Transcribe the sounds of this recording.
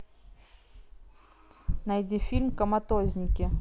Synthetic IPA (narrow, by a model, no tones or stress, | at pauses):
nɐjdʲifʲilʲmkəmɐt̪ozʲnʲɪkʲɪ